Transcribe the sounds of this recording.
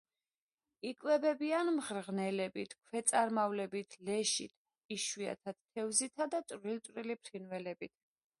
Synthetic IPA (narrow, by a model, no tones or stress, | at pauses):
ikʼwɛbɛbianmʁɾʁnɛlɛbit̪ʰkʰwɛt̪sʼaɾmavlɛbit̪ʰlɛʃḭt̪ʰ | iʃwia̰t̪ʰad̪̥t̪ʰːɛvzit̪ʰad̪at̪ʼvɾilt̪ʼvɾilipʰɾinwɛlɛbit̪ʰ